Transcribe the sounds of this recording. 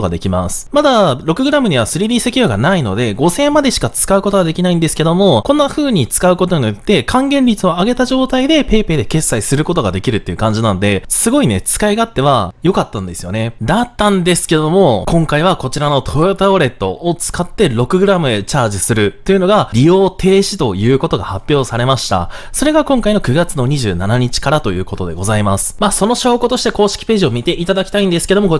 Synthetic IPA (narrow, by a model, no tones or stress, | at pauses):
oɡa̰d̪e̞kʲima̰sɨ̥mad̪aɾo̞kɯ̟ɡɯ̟ɾamɯ̟ɲ̟iβ̞asɨɾʲid̪ʲiːse̞kʲijoːɡa̰naino̞̰d̪e̞ɡo̞sẽ̞mad̪e̞ɕi̥kat͡sɨ̥kaɯ̟ko̞t̪o̞ɡad̪e̞kʲinaĩnd̪e̞sɨ̥ke̞d̪o̞mo̞kõ̞nːaɸɯ̟ːɲ̟it͡sɨ̥kaɯ̟kot̪̬oɲ̟iojot̪ːe̞kʰãŋɡẽ̞nɾʲit͡sɨo̞aɡe̞t̪aʑo̞ːt̪aid̪e̞pe̞ːpe̞ːd̪e̞ke̞sːaisɨɾɯ̟ko̞t̪o̞ɡad̪e̞kʲiɾɯ̟t̪ːe̞jɯ̟kãɲ̟d͡ʑinano̞d̪e̞sɨɡo̞ine̞̰t͡sɨ̥kaiɡaːt̪ːe̞βa̰jo̞kat̪ːãnd̪e̞sɨ̥jo̞̰ne̞d̪at̪ːãnd̪e̞sɨ̥ke̞d̪o̞mo̞kõ̞ŋkaiβako̞t͡ɕiɾano̞t̪ʰo̞ɯt̪aoɾe̞t̪ːo̞̰ːt͡sɨ̥kat̪ːe̞ɾo̞kɯ̟ɡɯ̟ɾamɯ̟e̞t͡ɕaːʑisɨɾɯ̟t̪ːe̞jɯ̟no̞ɡaɾʲijo̞ːt̪ʰe̞ːɕi̥t̪o̞jɯ̟ːko̞t̪o̞ɡahapʲːjo̞ːsaɾe̞maɕi̥t̪a̰so̞ɾe̞ɡakõ̞ŋkaino̞kɯ̟ɡat͡sɨno̞ɲ̟iʑɨːnanaɲ̟it͡ɕi̥kaɾat̪o̞jɯ̟̰ːko̞t̪o̞d̪e̞̰ɡo̞zaimasɨ̥maːso̞no̞ɕo̞ːkot̪o̞ɕi̥t̪eko̞ːɕi̥kʲi̥pe̞ːʑio̞mʲit̪e̞ʔit̪ad̪akʲi̥t̪aĩnd̪e̞sɨ̥ke̞d̪o̞mo